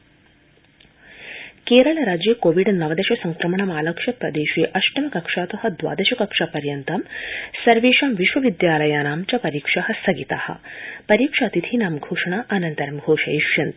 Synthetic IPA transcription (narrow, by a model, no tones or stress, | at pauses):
keːɾɐɭɐɾaːd͡ʒjɐkoːʋiɖnɐʋɐd̪ɐʃɐsɐŋkɾɐmɐɳɐmaːlɐkʂɐpɾɐd̪eːʃiːʔɐʃʈɐmɐkɐkʂaːt̪ɐɦɐ̆d̪ʋa̰ːd̪ɐʃɐkɐkʂapɐɾjɐnt̪ɐmsɐɾʋeːʂɐmʋiʃʋɐʋid̪jaːlɐjaːnaːmt͡ʃɐpɐɾiːkʂaɦɐsɐɡit̪a̰ːhɐ̰pɐɾiːkʂaːt̪it̪ʰinaːmɡʱoːʂɐɳaːʔɐnɐnt̪ɐɾɐmɡʱoːʂɐjiʃjɐnt̪